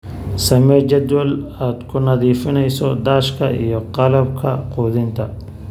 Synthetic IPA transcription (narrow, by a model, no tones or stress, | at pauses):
sɐmɛt͡ʃɐd̪wɐlaːd̪kʰʊnɐðiːfɪnɛjsɔd̪aːʃkʰɐʔijɞqɑlɐb̚kʰɐquːðɪnt̪ʰɐ